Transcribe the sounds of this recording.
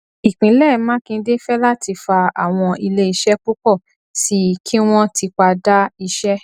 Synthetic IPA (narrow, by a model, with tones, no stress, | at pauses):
i˨k͡pĩ˨˦lɛ˦˨˦mãː˦kĩ˧˦de˦fɛ˦la˦˨ti˧fa˧a˨w̃ɔ̃˧i˧le˦i˧ʃɛ˦k͡pu˦kɔ˦˨ | si˨˦kʰĩ˦w̃ɔ̃˦ti˧k͡pa˧da˦i˧ʃɛ˦